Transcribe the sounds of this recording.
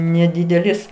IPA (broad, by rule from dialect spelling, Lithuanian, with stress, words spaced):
nʲɛˈdʲɪdʲɛlʲɪs